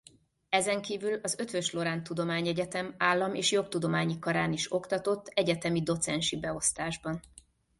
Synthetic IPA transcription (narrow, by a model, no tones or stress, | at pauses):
ɛzɛŋkiːvylɒzø̞t̪ʋøʃlo̞ɾaːnt̪ud̪o̞maːɲɛɟɛt̪ɛmaːlːɒmḛːʃjo̞k̚t̪ud̪o̞maːɲikɒɾaːniʃo̞kt̪ɒt̪o̞t̪ːɛɟɛt̪ɛmid̪o̞t̪sɛnʃibɛo̞st̪aːʒbɒn